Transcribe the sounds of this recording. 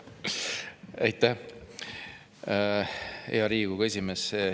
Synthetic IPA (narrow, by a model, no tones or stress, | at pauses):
æjt̪ːˑæ | ḛɑɾiːɡ̥uɡ̥ɑe̞sʲimes